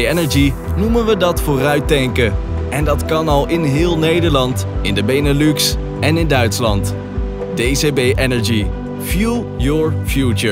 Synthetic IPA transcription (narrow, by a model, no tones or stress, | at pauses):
ɛnəɹd͡ʒi | numənʋədɑtfʊːrœɥt̚dɛŋkəʔɛndɑtkɑnɑlˠɪnɦɪːlˠnejdəɹlɑntɪndəbejnəlyks | ɛnɪndœɥtslɑnt | d̥ejzebejʔɛnəɹd͡ʒi | fju | jɔɹfjut͡ʃəɹ